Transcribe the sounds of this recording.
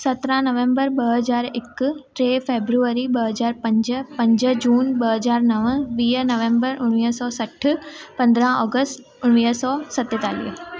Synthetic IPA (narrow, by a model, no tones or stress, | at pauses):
sɐt̪ɾãnɐʋẽmbəɾɓɐɦəzaːɾɪkʈɾeːfeːbɾuəɾiɓɐɦɐzaːɾpɐ̃ɲd͡ʒpɐ̃ɲd͡ʒəd͡ʑuːnɓɐɦɐzaːɾnɐʋʋiːɦənɐʋẽːmbəɾʊɽ̃ʋiːɦsɔːsɐʈʰpɐ̃nd̪ɾãɔːɡəst̪ | ʊɽ̃ʋiːɦsɔːsɐt̪et̪aːlḭːɦ